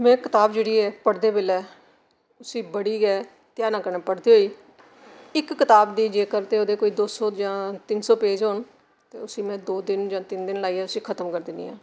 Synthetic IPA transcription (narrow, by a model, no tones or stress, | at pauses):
mɛ̃ːkɪt̪aːbd͡ʒeːɽiːɛːpəɽd̪eːbɪlɛː | ʊsĩːbəɽiːɡɛː | t̪jaːnãːkəɾneːpəɽd̪iːɦoːiː | ɪkːɪt̪aːbd̪iːd͡ʒeːkəɾt̪eːoːd̪eːkoːiːd̪oːsoːd͡ʒãːt̪ɪnsoːpeːd͡ʒoːn | t̪eːʊsĩːmɛ̃ːd̪oːd̪ɪnd͡ʒãːt̪ɪnd̪ɪnlaːiːɛːʊsĩːkʰət̪əmkəɾd̪ɪnḭːã̰ː